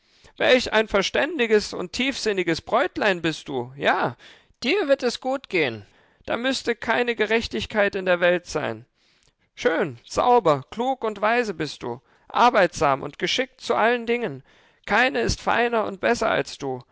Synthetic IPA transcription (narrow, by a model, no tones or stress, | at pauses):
vɛ̰lça̰ɪnfɛɐʃtɛndɪɡəsʊ̰ntʰːiːfz̥ɪnɪɡəsb̥ʁɔʏtlaɪnbɪst̚d̥uːjaː | d̥iːɐvɪɐtɛsɡ̥uːtɡ̥eːən | d̥a̰ːmʏstəkʰaɪnəɡəʁɛçtɪçkʰaɪtɪndeːɐvɛltz̥a̰ɪn | ʃøːnz̥a̰ʊbɐkl̥uːkʊntv̥aɪzəbɪst̚d̥ṵː | ʔa̰ɐbaɪtz̥a̰ːmʔʊ̰ntɡ̥əʃɪk̚t͡suʔaləndɪŋən | kʰaɪnəɪstfa̰ɪnɐʊ̰nt̚b̥ɛsɐa̰lsd̥uː